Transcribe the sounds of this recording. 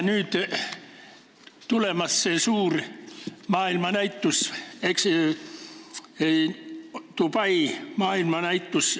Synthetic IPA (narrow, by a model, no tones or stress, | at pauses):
nyːt̪ | t̪ulemɑsːesuːr | mɑːilmɑnæit̪ːuseks | t̪upɑimɑːilmɑnæit̪ːus